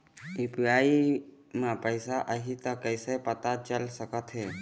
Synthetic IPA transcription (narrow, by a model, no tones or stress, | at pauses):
ɪpaːi | mãpəɪsaʔəɦit̪əkəɪsepət̪at͡ʃəlsəkət̪ɦeː